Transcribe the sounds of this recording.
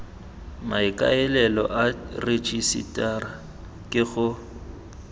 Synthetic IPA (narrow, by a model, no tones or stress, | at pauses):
maɪkʼa̰ɛlɛlɔ̰ʔaret͡ʃʼisḭtʼara | kʼɪɣʊ